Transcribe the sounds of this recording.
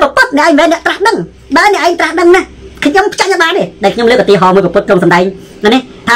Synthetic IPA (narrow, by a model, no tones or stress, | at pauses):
pɔpʊt̪̚nɛ̆ʔɛːŋmʋɛːnɛ̆əʔt̪rahɗəŋ | ɓaɛnɛ̆əʔaɛŋt̪rahɗəŋnahkʰɲompʰt͡ɕaʔɲət̚ɓaːnɗeːɗaɛlkʰɲomləːk̚ʔət̪iəɦɑːmɨəjpɑpʊt̪̚kroŋsɑmɗaɛŋ | ʔani | t̪ʰaː